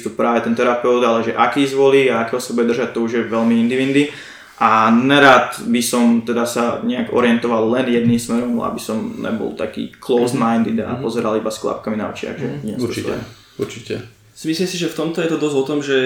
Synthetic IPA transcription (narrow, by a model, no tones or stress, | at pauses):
t̪upɾaːʋɛt̪ɛnt̪ɛɾapɛʊd̪alɛʒɛʔakiːzʋɔliːaakɛːɦɔsabuɟɛd̪rʒac̚t̪ɔuʒjɛʋɛlmiind̪iʋind̪i | ʔanɛɾaːt̪bisɔmt̪ɛd̪asaɲɛaɡɔ̰ɾɪɛnt̪ɔʋalːɛnjɛd̪niːmsmɛɾɔma̰bisɔmɲɛ̰bɔ̰lt̪akḭːklɔʊzmaɪnd̪id̪a̰pɔzɛɾalibasklˠa̰p̚kaminaɔt͡ʃɪa̰ɡʒɛɲɛiɛ̰ | uɾt͡ʃiɛ | simisliːmsiʒɛft̪ɔmt̪ɔjɛt̪ɔd̪ɔzɔt̪ɔmʒɛ